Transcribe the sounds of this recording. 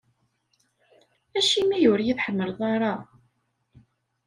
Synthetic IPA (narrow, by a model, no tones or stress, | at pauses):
æʃimijʊɾjiðħəmːəɾðˤɑɾˤɑ